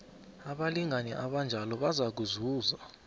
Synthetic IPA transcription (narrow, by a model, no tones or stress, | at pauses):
aɓaliŋanɛʔaɓand͡ʒʱalɔɓazak̬uzuːza